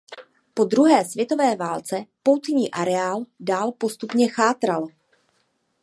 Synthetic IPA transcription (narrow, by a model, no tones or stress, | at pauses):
po̞d̪ɾuɦɛːsvjɛt̪o̞vɛːvaːlt͡sɛpo̞wt̪ɲiːʔaɾɛaːldaːlpo̞st̪upɲɛxaːt̪ɾal